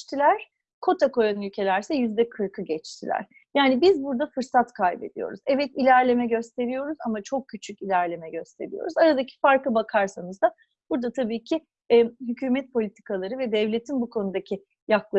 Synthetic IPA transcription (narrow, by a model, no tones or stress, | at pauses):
t̪ʰilʲæɾ̥ | kʰo̞t̪ʰako̞janylʲcʰe̞lʲæɾsɛjyzd̪ɛkʰɯɾkʰɯɟɛt͡ʃt̪ʰilʲæ̰ɾ̥ | jaːnibizbuɾd̪afɯɾsat̪kʰajbed̪ijo̞̰ɾuzɛvɛt̪ilʲæɾlʲe̞mɛɟø̞st̪ʰe̞ɾijo̞ɾuzamat͡ʃʰo̞k̚cʰːyt͡ʃʰycilʲæɾlʲe̞mɛɟø̞st̪ʰe̞ɾḭjo̞̰ɾuzaɾad̪acʰi̥faɾkɯbakʰaɾsanɯzd̪a | b̥uɾd̪at̪ʰabiːcʰɪ | ɛɦycʰyːmɛt̪̚po̞lʲit̪ʰi̥kʰalˠaɾɯvɛd̪ɛvlʲe̞t̪ʰinbukʰo̞nud̪acʰi | jaklˠa